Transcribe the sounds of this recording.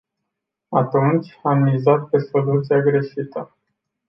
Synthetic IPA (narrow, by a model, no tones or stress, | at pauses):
at̪unt͡ʃʲamːizat̪̚pe̞so̞lut̪siaɡɾe̞ʃit̪ə